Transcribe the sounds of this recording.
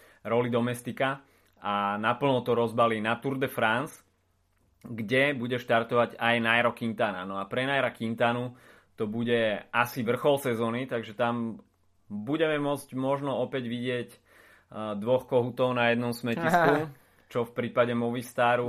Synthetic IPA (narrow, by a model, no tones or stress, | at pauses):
ɾɔlid̪ɔmɛst̪ika | anapl̩nɔt̪ɔɾɔzbalinat̪uɾd̪ɛfɾans | ɡɟɛbuɟɛʃt̪aɾt̪ɔʋaɟajnajɾɔkint̪aːna̰nɔapɾɛnajɾakint̪aːnu | t̪ɔbuɟɛʔasiʋr̩xɔlsɛzɔːnit̪aɡʒɛt̪am | buɟɛmɛmʊɔd͡zɟmɔʒnɔɔpɛɟʋiɟɪɛc | d̪ʋɔxkɔɦut̪ɔʊnajɛd̪nɔmsmɛcisku | t͡ʃɔfpɾiːpaɟɛmɔʋist̪aːɾu